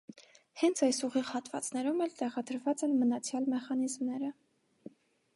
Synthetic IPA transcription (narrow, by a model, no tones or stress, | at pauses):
hɛnt͡sʰɑjsuʁiʁhɑt̪vɑ̰t͡snɛɾumɛlt̪ɛʁɑd̪əɾvɑt͡sɛnmənɑt͡sʰjɑlmɛχɑnizmnɛɾə